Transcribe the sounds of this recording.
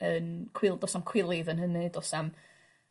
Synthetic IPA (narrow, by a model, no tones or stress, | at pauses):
ənkʰw̥ɪlˠdɔsamkʰw̥ɪlˠɪðənhənɨdɔsam